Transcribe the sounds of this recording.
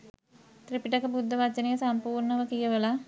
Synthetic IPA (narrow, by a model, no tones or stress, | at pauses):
t̪ɾipiʈəkəbud̪ʱːəʋat͡ʃənejəsampuːrɳəʋəkijəʋəla